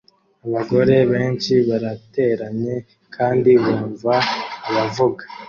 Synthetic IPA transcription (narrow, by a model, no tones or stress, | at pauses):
aβaɡo̞ɾe̞βe̞ːnt͡ʃiβaɾate̞ɾaɲe̞ | kʰaːndiβoːɱvaβavuɡḁ